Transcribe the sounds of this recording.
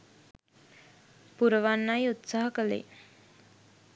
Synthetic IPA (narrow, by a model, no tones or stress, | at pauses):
puɾəʋanːajut̪saɦəkəlḛ